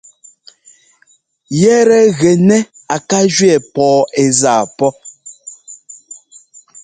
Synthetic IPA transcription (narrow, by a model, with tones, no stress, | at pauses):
jɛ˦ɾɛ˦ɣɛ˨nɛ˦ | a˨ka˦d͡ʒɥɛ˨pɔː˨˦e˨zaː˦˨pɔ˦